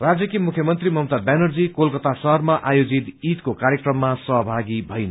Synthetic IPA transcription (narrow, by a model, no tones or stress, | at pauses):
rad͡zjʌkimukʰjʌmʌnt̪rimʌmt̪abanʌrd͡zikolkʌt̪asʌɦʌrmaʔajod͡zit̪it̪kokaɾjekrʌmːasʌɦbʱaɡibʱʌjn